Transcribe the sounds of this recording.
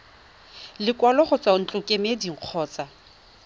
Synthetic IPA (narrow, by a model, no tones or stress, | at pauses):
lɪkʼwalɔχʊt͡sʼan̩t͡ɬʼʊkʼemediŋ̩q͡χʰɔːt͡sʼa